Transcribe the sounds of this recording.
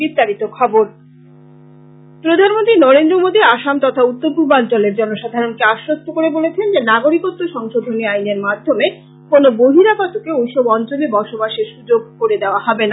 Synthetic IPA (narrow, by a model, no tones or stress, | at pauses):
bist̪aɾit̪okʰɔboɾ | pɾod̪ʱanmont̪ɾinɔɾend̪ɾomod̪iaʃamt̪ɔt̪ʰaut̪ːoɾbubant͡ɕɔleɾd͡ʑɔnoʃad̪ʱaɾonkeaʃɾost̪ʰokoɾebolet͡ɕʰend͡ʑenaɡoɾikot̪ːoʃɔŋʃod̪ʱoniajneɾmad̪ʱːome | konoboɦiɾakɔt̪okeojʃɔbɔnt͡ɕolebɔɾʃobaʃeɾʃud͡ʑoɡ̚koɾed̪eoahɔbena